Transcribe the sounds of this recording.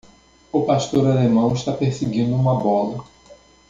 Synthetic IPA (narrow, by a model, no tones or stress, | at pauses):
ʊpaʃt̪oɾalemɐ̃w̃ɪʃt̪apeɾseɡĩnd̪ʊũmɐbɔlɐ